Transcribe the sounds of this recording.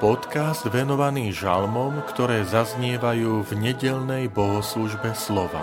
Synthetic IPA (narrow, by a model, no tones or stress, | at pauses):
pɔt̪kazd̪ʋɛnɔʋaniːʒa̰lmɔmkt̪ɔɾɛːzazɲɪɛʋajuːvɲɛɟɛʎnɛjbɔɦɔsluʒbɛslɔʋa̰